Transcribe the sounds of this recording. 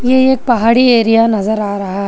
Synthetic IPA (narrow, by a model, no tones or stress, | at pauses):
jeeːk̚pɐɦaːɽieːɾijanɐzəɾaːɾɐɦaɦɛ